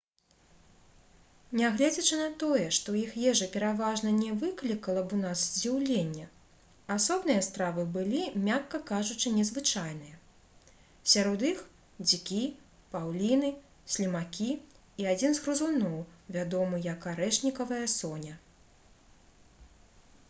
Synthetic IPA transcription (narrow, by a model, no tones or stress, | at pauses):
nʲaɣlʲɛd͡zʲɐt͡ʂɨnɐt̪ɔjɛʂt̪ɔjixjɛʐɨpʲɛɾavaʐnɐnʲɛvɨklʲikɐlˠɐbunasd͡zʲiwlʲenʲːɐ | asɔbnɨjɐst̪ɾavɨbɨlʲimʲakːɐkaʐut͡ʂɨnʲɛzvɨt͡ʂajn̪ɨjɛ | sʲaɾɔd̪ix | d͡zʲikʲi | pawlʲinɨ | sʲlʲimakʲi | iad͡zʲinzɣɾuzunɔwvʲad̪ɔmɨjɐkaɾɛʂnʲikɐvɐjɐsɔnʲɐ